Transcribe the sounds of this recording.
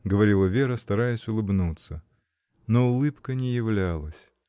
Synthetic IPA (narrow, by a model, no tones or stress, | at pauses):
ɡəvɐɾʲilˠəvʲeɾəst̪ɐɾajəsʲʊlˠɨbnut̪sə | noʊlˠɨpkənʲɪjɪvlʲalˠəsʲ